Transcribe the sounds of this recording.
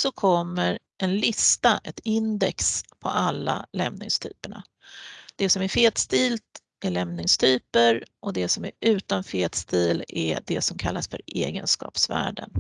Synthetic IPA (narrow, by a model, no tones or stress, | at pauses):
sɔkʰɔmːəɾ | ʔɛnlɪst̪aʔɛt̪ɪnd̪ɛkspʰɔ̰ʔalːa̰lɛmnɪ̰ŋst̪ʰy̰ːpəɳa̰ | d̪̥ɛsɔmæɾfeːt̪st̪iːlt̪ | æɭɛmnɪŋst̪ʰyːpəɾʔɔd̪ɛsɔmæɾʉ̟ːt̪anfeːt̪st̪iːlɛd̪ɛsɔmkʰalːasfœɾeːɡənskɑ̰ːpsvæ̰ːɖə̰n